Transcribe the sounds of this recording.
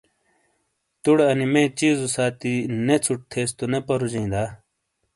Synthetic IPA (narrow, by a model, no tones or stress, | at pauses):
t̪uɽɐnimẽːt͡ɕiːzusaːt̪inet͡sʰuʈ̚t̪ʰeːst̪unepɐɾud͡ʑĩːd̪aː